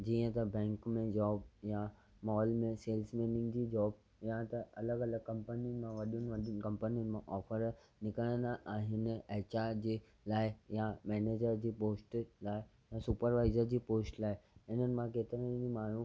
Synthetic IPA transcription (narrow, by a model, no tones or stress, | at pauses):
d͡ʑiːə̃t̪ɐbɛ̃ːŋkmẽd͡ʑɔːbja | mɔːlmẽseːlsmẽːnɪ̃ŋɡd͡ʑiːd͡ʑɔːb | jat̪ɐɐləɡɐləɡ̚kɐ̃mpənin̆mãʋɐɗijnɪ̆ʋɐɗiʊn̆kɐ̃mpənijənɪ̆mãʔɔːfəɾ | nɪkəɽ̃ə̃nd̪aʔaːɦɪnɪ̆ɐːt͡ɕad͡ʑiː | laːɪjamɛːneːd͡ʑəɾd͡ʑiːpoːsʈlaːɪ | jasupəɾʋaːɪzəɾd͡ʑiːpoːsʈlaːɪɪn̤ənɪ̆mãkeːt̪ɪɾə̃d͡ʑimaːɳ̤ũ